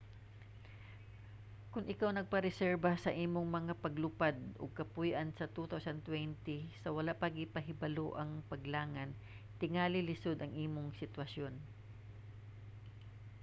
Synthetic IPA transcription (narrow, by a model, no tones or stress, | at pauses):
kʊŋʔɪkawnɐɡ̚pɐɾɛsɛɹbasɐʔiːmoŋmɐŋapɐɡlʊpad̪̚ʔo̰ɡ̚kɐpujʔɐnsɐt̪ut̪awsɐnt̪wɛnt̪ɪsɐwɐlaʔpɐɡɪpɐɦɪbɐloʔɐŋpɐɡlaːŋɐn | t̪ɪŋaːlɪlɪsod̪ɐŋʔiːmoŋsɪt̪wɐsjo̞n